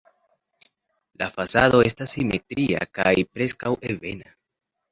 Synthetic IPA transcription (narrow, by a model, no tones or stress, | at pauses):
lafasado̞e̞stasːimetɾia̰kajpɾe̞skawe̞ve̞̰na